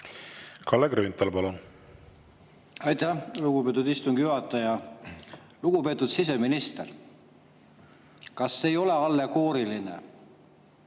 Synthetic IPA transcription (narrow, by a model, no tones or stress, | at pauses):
kʰɑlːeɡɾønt̪ːˑɑlpɑlun | ɑjt̪ˑæhluɡ̥upe̞ːt̪ːˑud̪ist̪uŋɡ̥juɦɑt̪ːˑɑjɑ | luɡ̥upe̞ːt̪ːˑud̪̥sis̬e̞minist̪er | kɑsːeːjo̞le̞ɑlːeko̞ːɾilinḛ